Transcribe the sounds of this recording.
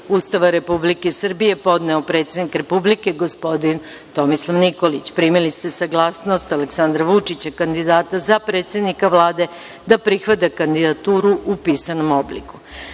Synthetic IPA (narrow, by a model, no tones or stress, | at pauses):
ust̪aʋaɾe̞publike̞sr̩bije̞po̞d̪nɛopɾe̞ːt̪sʲed̪nikɾe̞publike̞ɡo̞spo̞d̪in | t̪o̞mislˠaʋniko̞lit͡ɕpɾiːmilist̪e̞saɡlˠasno̞st̪aleksand̪ɾaʋut͡ʂit͡ɕakand̪id̪aːt̪azapɾe̞ːt̪se̞d̪nikaʋlˠaːd̪e̞ | d̪apɾixʋat̪̬akand̪id̪at̪uːɾuupiːsano̞mo̞blḭku̥